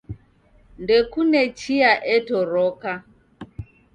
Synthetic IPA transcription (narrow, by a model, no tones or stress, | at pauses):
ndɛkunɛt͡ʃiaʔɛtɔɾɔka